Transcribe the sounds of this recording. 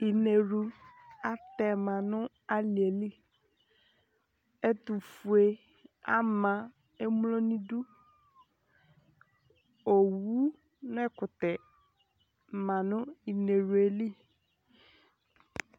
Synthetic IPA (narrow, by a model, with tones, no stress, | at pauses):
i˨ne˨ɾu˨a˦t̪ɛ˨mã˨nʊ̃˦ | a˦li˨e˨li˦ | ɛ˦t̪u˨fu˨e˨ | a˦mã˨ | e˦mlo˦nĩ˦du˦ | o˨wu˦ | n˦ɛ˦kʊ˨t̪ɛ˨ | mã˨nʊ̃˦i˨ne˨ɾu˨e˨li˦